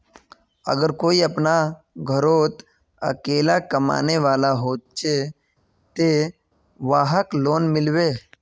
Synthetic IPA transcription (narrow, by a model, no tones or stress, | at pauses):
ə̰ɡəɾkoːiəpna | ɡʱəɾoːt̪ | ə̰keːlakəma̰ːneʋaːlaɦoːt͡ʃe | t̪e | ʋaːɦəkloːnmɪlʋeː